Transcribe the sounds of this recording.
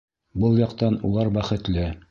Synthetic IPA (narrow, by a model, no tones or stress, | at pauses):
bɤlˠjɑqt̪ɑnulˠɑɾbæχɘ̆t̪lɘ